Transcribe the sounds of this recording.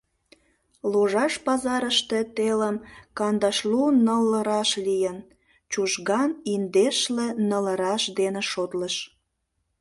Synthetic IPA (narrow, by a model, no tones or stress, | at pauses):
loʒɑʃpɑzɑɾəʃt̪et̪eləmkɑnd̪ɑʃlunəlːəɾɑʃlijən | t͡ɕuʃɣɑnind̪eʃlenələɾɑʃd̪enĕʃot̪ləʃ